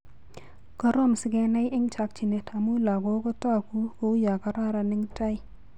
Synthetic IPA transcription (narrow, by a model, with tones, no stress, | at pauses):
kɔ˦ɾo˦msɪ˦ɡɛ˨na˦jɪ˦ŋt͡ʃa˨k̚t͡ʃi˨ne˨tʰa˨mu˦la˨ɡo˦kɔ˦ta˦ku˦ko˦u˦ja˨ka˦ɾa˦ɾa˨nɪ˦ŋta˦j